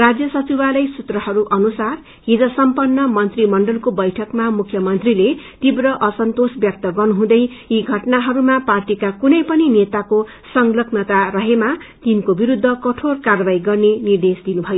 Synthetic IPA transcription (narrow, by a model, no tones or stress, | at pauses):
rad͡zjʌsʌt͡sibalʌjsut̪rʌɦʌɾuʔʌnusar | ɦid͡zʌsʌmpʌnːʌmʌnt̪rimʌɳɖʌlkobʌjʈʰʌkmamukʰjʌmʌnt̪rilet̪ibrʌʔʌsʌnt̪osbjʌk̚t̪ʌɡʌrnuɦũd̪ʌj | iɡʱʌʈnaɦʌɾumaparʈikakunʌjpʌninet̪ako | sʌŋlʌɡnʌt̪aɾʌɦema | t̪inkobiɾud̪ʱːʌkʌʈʰorkarʌbaiɡʌrnenird̪esd̪inubʱʌjo